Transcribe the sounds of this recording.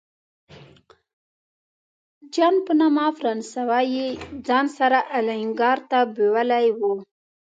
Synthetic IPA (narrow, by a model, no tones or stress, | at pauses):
d͡ʒɑnpənamɑfɾɑnsawajed͡zɑnsaɾaʔalaɪŋɡɑɾt̪abewalajwu